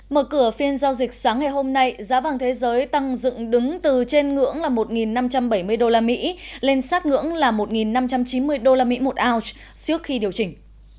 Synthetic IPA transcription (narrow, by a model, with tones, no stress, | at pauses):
məː˧˩kɨ˧˩əfi˧ənzaː˧wzi˨˩k̟̚saː˨˦ŋːa˨˩jɦo˧mna˧jzaː˨˦vaː˨˩ŋt̪ʰe˨˦zəː˨˦jt̪a˧ŋzɨ̰˧˨ŋɗɨ˨˦ŋt̪ɨ˨˩t͡ɕe˧nŋɨ̰˧˥əŋlaː˨˩mo˨˩t̚ŋi˨˩nːa˧mt͡ɕa˧mɓə˧˩jmɨ˧əjɗo˧laː˧mḭ˧˥le˧nsaː˦˥t̚ŋɨ̰˧˥əŋlaː˨˩mo˨˩t̚ŋi˨˩nːa˧mt͡ɕa˧mt͡ɕi˨˦nmɨ˧əjɗo˧laː˧mḭ˧˥mo˨˩t̚ʔaː˧wt͡ɕ | t͡ɕɨ˦˥ək̚xi˧ɗi˨˩əwt͡ɕï˨˩ŋ̟